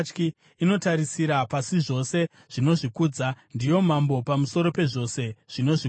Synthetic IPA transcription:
t͡ʃkiː | no̞taɾisiɾapasiʐo̞se̞ | ʐ̥ino̞ʐikud͡zandijo̞mambo̞pamuso̞ɾo̞pe̞ʐo̞se̞ʐ̥ino̞ʐi

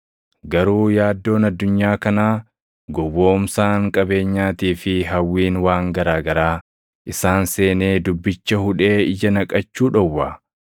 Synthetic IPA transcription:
ɡɐɾuːjaːd̪ːo̞ːnɐd̪ːʊɲːaːkɐnaː | ɡɔwːo̞ːmsaːŋkʼɐbe̞ːɲːaːt̪iːfɪɦɐwːiːnwaːŋɡɐɾaːɡɐɾaː | ʔɪsaːnse̞ːne̞ːd̪ʊbːɪt͡ʃːɐhʊᶑe̞ːɪd͡ʒɐnɐkʼɐt͡ʃːuːᶑɔwːaː

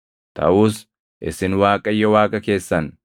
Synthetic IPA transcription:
t̪ʰɐ̰ʔuːs | ʔɪsɪnwaːkʼɐjːɔwaːkʼɐke̞ːsːɐn

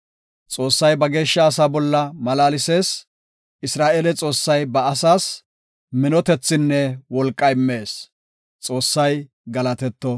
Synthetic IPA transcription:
t͡sʼo̞ːsːɐjbɐɡe̞ːʃːɐːsaːbɔlːɐmɐlaːlɪse̞ːs | ʔɪsɾaːʔeːlɛt͡sʼo̞ːsːɐjbɐːsaːs | mɪnɔt̪ɛt͡sːɪnːɛwɔlkʼːɐjmːe̞ːs | t͡sʼo̞ːsːɐj | ɡɐlɐt̪ɛt̪ːɔ

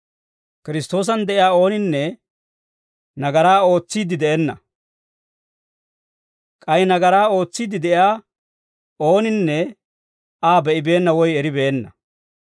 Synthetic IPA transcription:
kɪɾɪst̪o̞ːs̬ɐnd̪ɛʔɪjaːo̞ːnɪnːɛ | nɐɡɐɾaːo̞ːt͡sːiːd̪ɪd̪ɛʔɛnːɐ̰ | kʼɐjnɐɡɐɾaːo̞ːt͡sːiːd̪ɪd̪ɛʔjaː | o̞ːnɪnːɛ | aːbɛʔɪbe̞ːnːɐwɔjɛɾɪbe̞ːnːɐ

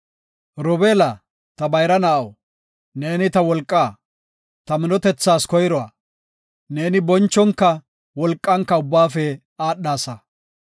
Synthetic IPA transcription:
ɾɔbeːlɐ | t̪ɐbɐjɾɐnɐʔɐw | ne̞ːnɪt̪ɐwɔlkʼːaː | t̪ɐmɪnɔt̪ɛt͡sːaːskɔjɾɔa̰ | ne̞ːnɪbɔnt͡ʃːɔŋkːɐ | wɔlkʼːɐŋkːɐʊbːaːfɛ | aːɗːaːsɐ

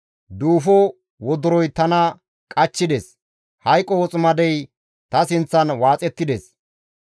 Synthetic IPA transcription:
d̪uːfɔ | wɔd̪ʊɾɔjt̪ɐnɐ | kʼɐt͡ʃːɪd̪es | hɐjkʼːɔwɔt͡sʼʊmɐd̪ɛj | t̪ɐsɪnt͡sːɐnwaːt͡sʼɛt̪ːɪd̪es

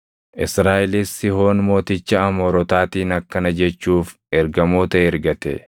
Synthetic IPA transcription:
ʔɪsɾaːʔɪlɪsːɪho̞ːnmo̞ːt̪ɪt͡ʃːɐɐmoːɾɔt̪aːt̪iːnɐkːɐnɐd͡ʒɛt͡ʃːuːf | ɛɾɡɐmo̞ːt̪ɐɛɾɡɐt̪ɛ̰

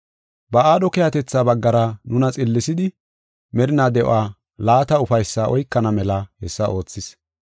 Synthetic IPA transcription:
bɐaːd̪ɔkɛjɐt̪ɛt͡sːaːbɐɡːɐɾɐnʊnɐt͡sʼɪlːɪsɪd̪ɪ | mɛɾɪnaːd̪ɛʔo̰aː | laːt̪ɐʊfɐjsːaʔɔjkːɐnɐmɛlɐhɛsːɐʔo̞ːt͡sːɪs

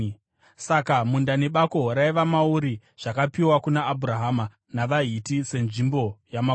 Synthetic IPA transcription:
sakamundane̞ɓakoɦoɾaiʋamauɾi | ʐ̥akapiwakunaːbʱuraɦama | naʋaɦitise̞nʐimbo̞jama

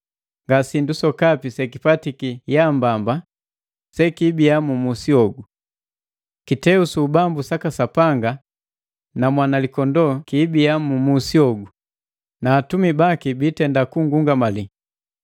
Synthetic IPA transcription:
ŋɡasindusɔkapisɛkipatikijambamba | sɛkibiamumusiɔɡu | kitɛusuːbambusakasapaŋɡa | namwanalikɔndɔkibiamumusiɔɡu | naːtumibakibitɛndakuŋɡuŋɡamali

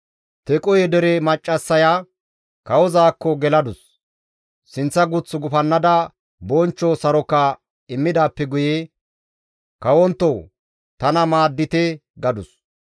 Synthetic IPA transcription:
t̪ɛkʼɔjɛd̪ɛɾɛmɐt͡ʃʼːɐsːɐja | kɐwɔzaːkːɔɡɛlɐd̪ʊsː | ɪnt͡sːɐɡʊt͡sːʊɡʊfɐnːɐd̪ɐ | bɔnt͡ʃːɔsɐɾɔkːɐ | ɪmːɪd̪aːpːɛɡʊje | kɐwɔnt̪ːɔw | t̪ɐnɐmaːd̪ːɪt̪ɛɡɐd̪ʊs

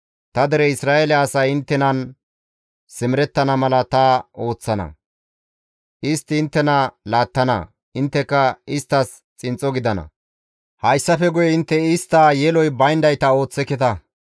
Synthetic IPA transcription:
t̪ɐd̪ɛɾɛɪsɾaːelɛɐsɐjɪnt̪ːɛnɐn | sɪmɪɾɛt̪ːɐnɐmɐlɐt̪ɐo̞ːt͡sːɐnɐ̰ | ʔɪst̪ːɪɪnt̪ːɛnɐlaːt̪ːɐnɐ̰ | ɪnt̪ːɛkːɐɪst̪ːɐs | t͡sʼɪnt͡sʼɔɡɪd̪ɐnɐ̰ | hɐjsːɐfɛɡʊjɛɪnt̪ːɛɪst̪ːaːjɛlɔjbɐjnd̪ɐjt̪ɐo̞ːt͡sːɛkːɛt̪ɐ

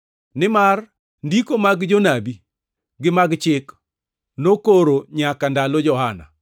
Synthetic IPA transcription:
nɪmar | ndikomaɡd͡ʒonabi | ɡɪmaɡt͡ʃɪk | nokoɾoɲakandalɔd͡ʒɔhana̰

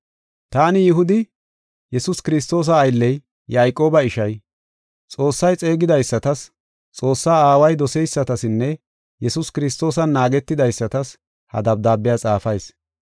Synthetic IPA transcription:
t̪aːnɪjɪɦʊd̪ɪ | jɛsʊskɪɾɪs̬t̪o̞ːs̬ɐːjlːɛj | jaːjkʼːo̞ːbɐɪʃɐj | t͡sʼo̞ːsːɐjt͡sʼe̞ːɡɪd̪ɐjsːɐt̪ɐs | t͡sʼo̞ːsːaːaːwɐjd̪ɔsɛjsːɐt̪ɐsɪnːɛ | jɛsʊskɪɾɪst̪o̞ːsɐnːaːɡɛt̪ːɪd̪ɐjsːɐt̪ɐs | hɐ̰d̪ɐb̚d̪aːbːɪjat͡sʼaːfɐjs

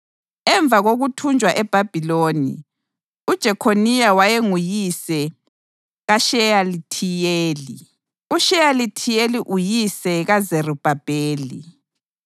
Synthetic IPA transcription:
ɛɱb̪vʱaɣoɣutʰund͡ʒʱwaʔɛb̥ʱab̥ʱiloːnḭ | ud̥ʒ̥ʱɛkʰonijawajeŋujisɛ | ɣaʃɛjalitʰijeːli | uʃɛjalitʰijeliʔujisɛɣazerub̥ʱab̥ʱeːlḭ

